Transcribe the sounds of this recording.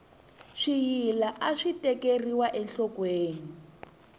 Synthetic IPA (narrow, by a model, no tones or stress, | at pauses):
ʂijilaʔaʂitɛkeriwaʔɛnɬɔkweːni